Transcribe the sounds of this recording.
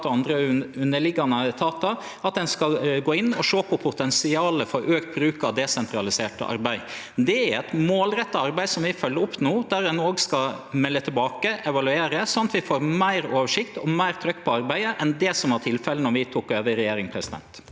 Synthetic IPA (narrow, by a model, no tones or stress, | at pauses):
t̪ɔɑnd̪ɾəʉnːəɭɪɡːɑnət̪ʰɑːt̪ɑ | ɑt̪̚d̪ɛnskɑɡoːɪnːɔʂoːpʰɔpʰʊt̪ɛnsɪɑːləfɔɾʔøːkt̪̚bɾʉːkɑd̪ɛsɛnt̪ʰɾɑlɪseːʈə̰ʔɑ̰ɾbæɪ | d̪ɛæɾɛt̪moːlɾɛt̪ːəɑɾbæɪsɔmʋɪfœlːəʊpːnuːd̪æɾɛnoːɡskɑmɛlːət̪ʰɪlbɑːkəʔɛʋɑlʉeːɾəsɑnɑt̪ʋɪfoːɾmæɪɾoːʋəʂɪkt̪ɔmæɪɾt̪ʰɾœkːpʰɔɑɾbæɪəʔɛnd̪ɛsɔmɑʈ̪ʰɪlfɛlənɔʋɪt̪ʰuːkøːʋəɾɛjeːɾɪŋpʰɾɛsɪd̪ɛ̰nt̪